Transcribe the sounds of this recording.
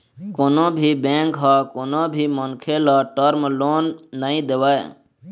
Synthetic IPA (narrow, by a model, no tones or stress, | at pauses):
konobʱibẽːŋkɦakonobʱimənkʰelaʈəɾmloːnːəĩd̪eʋae